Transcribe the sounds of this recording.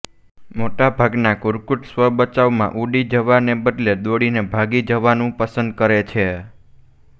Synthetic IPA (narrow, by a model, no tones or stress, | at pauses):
moʈabʱaɡnakʊɾkuʈsʋəbət͡ʃaʋmã̰ʔuɖid͡ʒəʋanebəd̪led̪oɽinebʱaɡid͡ʒəʋanũpəsənd̪̚kəɾet͡ʃʰe